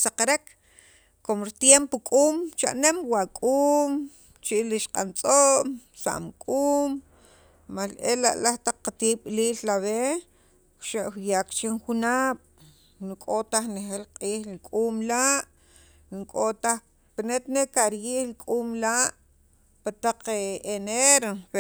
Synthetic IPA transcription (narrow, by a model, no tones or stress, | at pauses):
saqaɾek | komɾit̪jempokʼuːmt͡ʃa̰ʔnemwakʼuːm | t͡ʃiʔliʃqʼant͡sʼoʔmsa̰ʔmkʼuːm | malʔela̰ʔlaht̪aq͡χqːat̪iɓliːllaβe | ʃeʔxjaːqt͡ʃiŋxunaːɓ̥ | nukʼot̪aχnexelqʼiːxlikʼuːmlaʔ | niŋkʼot̪ax | pinet̪nekaɾjiːhlikʼuːmlaʔ | pat̪aq͡χeneɾo